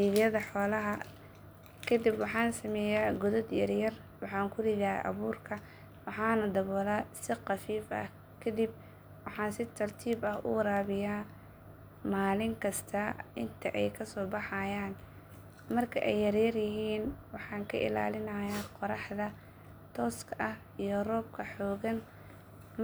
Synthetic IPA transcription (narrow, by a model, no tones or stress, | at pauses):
iːðjɐðɐħɔːlɐɦɐ | kʰɐd̪ibwɑħɑːnsɐmɛːjaːɡʊðɔd̪jɐrjɐr | wɑħɑːŋkʰʊlɪða̰ːʔɐ̰βuːrkʰɐ | wɑħɑːnɐd̪ɐβɔːlasɪqɑfiːfɐ̰h | kʰɐd̪ib̚ | wɑħɑːnsɪt̪ʰɐrt̪ʰiːbɐhʔʊ̰wɾaːβɪjaː | maːlɪŋkʰɐst̪ʰɐʔɪnt̪ʰɐʔɛjkʰɐsɔːbɑħɑjaːn | mɐrkʰɐʔɛjːɐrjɐrjɪɦiːnwɑħɑːŋkʰɐʔɪ̰la̰ːlɪnɐjaqɔɾɑħd̪ɐ | t̪ʰɔːskʰɐʔɐh | ijɔrɔːb̚kʰɐħɔːɣɐn | m